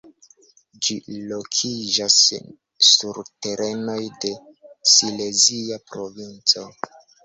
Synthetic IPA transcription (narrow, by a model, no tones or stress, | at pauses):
d͡ʒilo̞kʰid͡ʒasː | uɾte̞ɾe̞no̞jde̞ | sile̞ziapɾo̞vint͡so̞